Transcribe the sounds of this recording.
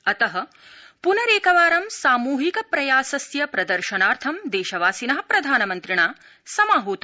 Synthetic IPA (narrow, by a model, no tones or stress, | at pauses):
ɐt̪ɐɦɐ̆ | punɐɾeːkɐʋaːɾɐmsaːmuːɦikɐpɾɐjaːsɐsjɐpɾɐd̪ɐɾʃɐnaːɾt̪ʰɐmd̪eːʃɐʋaːsinɐɦɐpɾɐd̪ʱaːnɐmɐnt̪ɾiɳaː | sɐmaːɦuːt̪